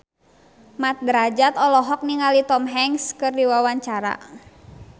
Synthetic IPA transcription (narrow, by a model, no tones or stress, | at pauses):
mat̪̚dɾad͡ʒat̪ɔlɔɦɔk̚niŋalit̪ɔmɦɛŋskɨrdiwawaɲt͡ʃaɾa̰